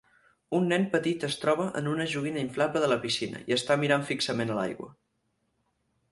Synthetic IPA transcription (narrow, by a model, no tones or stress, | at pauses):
unːɛmpət̪it̪əst̪ɾɔβ̞əʔə̰nunəʒuɣinəiɱflapəðələpisinə̰iəst̪amiɾaɱfiksəmenəla̰jɣwə̰